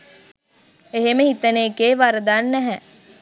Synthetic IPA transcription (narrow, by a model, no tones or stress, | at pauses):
eɦeməɦit̪əneːkeːʋaɾəd̪anːɛɦɛ